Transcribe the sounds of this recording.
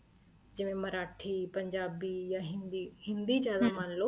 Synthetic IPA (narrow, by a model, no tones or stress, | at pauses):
d͡ʒɪʋẽmɐɾaːʈʰipɐ̃ɲd͡ʒaːbiːjaɦɪ̃nd̪iɦɪ̃nd̪id͡ʒjaːd̪amaːnloː